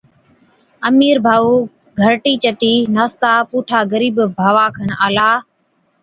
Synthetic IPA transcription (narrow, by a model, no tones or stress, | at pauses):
əmiːɾbʱaːuː | ɡʱəɾʈiːt͡ʃət̪iːnaːst̪aːpuːʈʰaːɡəɾiːbbʱaːʋaːkʰənaːlaː